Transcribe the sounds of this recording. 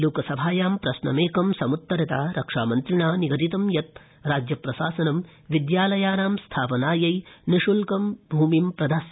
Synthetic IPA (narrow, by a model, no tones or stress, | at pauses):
luːkɐsɐbʱaːjaːmpɾɐsnɐ̰meːkɐmsɐmut̪ːɐɾɐt̪aːɾɐkʂaːmɐnt̪ɾiɳaːniɡɐt̪it̪ɐmjɐt̪̚ | ɾaːd͡ʒjɐpɾɐsaːsɐnɐm | ʋid̪jaːlɐjaːɾaːmst̪ʰaːpɐnaːjɐjniʂulkɐmbʱuːmimpɾɐd̪as